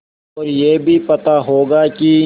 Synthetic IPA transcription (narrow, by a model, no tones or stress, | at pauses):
ɔːɾjeːbʱipɐt̪aɦoːɡaːki